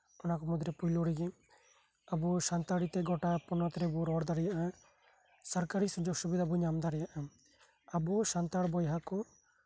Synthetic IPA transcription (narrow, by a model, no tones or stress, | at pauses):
ɔnakɔmɔd̪ɾɛpujlɔɽiɡɛ | abusant̪aɽit̪ɛɡɔʈapɔnɔt̪ɾɛbuɾɔɽd̪aɾɛjaʔa | saɾkaɾisud͡ʒɔɡsubid̪abuɲamd̪aɾɛjaʔa | abusant̪aɽbɔjɦakɔ